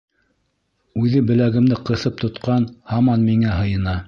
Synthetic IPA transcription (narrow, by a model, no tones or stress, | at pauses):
ʉðɘbɘ̆læɡɘ̆md̪ɘqɤ̆θɤp̚t̪ŏt̪qɑnhɑmɑnmiŋæɦɤ̆jɤ̆nɑ